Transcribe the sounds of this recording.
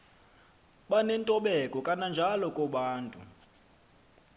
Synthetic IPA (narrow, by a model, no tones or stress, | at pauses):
ɓanɛntʼɔɓɛkʼɔkʼanand͡ʒʱalɔkʼɔɓaːntʼṵ